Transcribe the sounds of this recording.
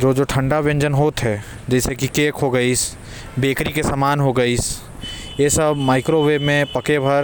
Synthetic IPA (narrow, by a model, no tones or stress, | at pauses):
d͡ʒoːd͡ʒoːʈʰə̃ɳɖaʋẽɲd͡ʒənɦoːt̪ɦɛ | d͡ʒɛːsekikeːkɦoɡɐis | beːkɾikesamaːnɦoɡɐiːs | jesɐbmaːɪkɾoʋeːmẽpɐkebʱɐɾ